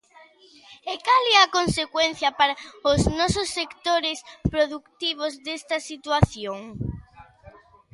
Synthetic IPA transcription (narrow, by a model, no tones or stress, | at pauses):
ekalɛakonsekwen̟θjɐpaɾaʊznɔsosːekt̪oɾespɾoðukt̪iβ̞ozðest̪ɐsit̪waθjoŋ